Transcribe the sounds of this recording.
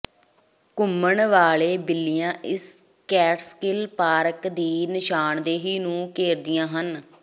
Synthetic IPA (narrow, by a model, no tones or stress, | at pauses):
kʊməɳʋaːleːbɪlːɪjãːʔɪs | kɛːʈskɪlpaːɾəkd̪iːnɪʃaːɳd̪eːɦiːnũːkeːɾd̪ɪjãːɦən